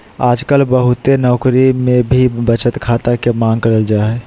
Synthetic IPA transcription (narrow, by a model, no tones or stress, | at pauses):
aːd͡ʒkəlbəɦʊt̪enɔːkɾimẽbʱibət͡ʃət̪kʰaːt̪akemãːŋɡ̚kəɾəld͡ʒaːɦɛ